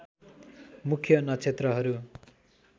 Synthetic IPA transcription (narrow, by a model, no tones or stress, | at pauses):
mukʰjʌnʌt͡sʰet̪rʌɦʌɾu